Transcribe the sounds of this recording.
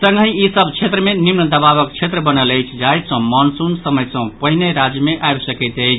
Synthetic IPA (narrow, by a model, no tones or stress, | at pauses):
sə̃ŋɡəiisəbt͡ʃʰet̪ɾəmenimnəd̪əbaβəkt͡ʃʰet̪ɾəbənələjt͡ʃʰd͡ʒajt̪sə̃mɔnsunsəməjsə̃ppəɦineɾad͡ʒjəmeʔajbsəkɛɪt̪əjt͡ʃʰ